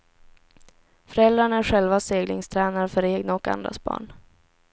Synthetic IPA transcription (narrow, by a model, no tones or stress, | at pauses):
fœɾɛld̪ɾaɳæɾɧɛlvaseːɡlɪŋst̪ʰɾɛːnaɾfœɾeːɡnaɔka̰nd̪ɾa̰sbɑ̰ːɳ